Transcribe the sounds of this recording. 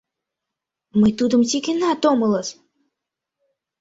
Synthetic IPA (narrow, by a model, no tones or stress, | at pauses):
mɨt̪ud̪ɨmt͡sʲikʲinat̪ɔmɨlˠəs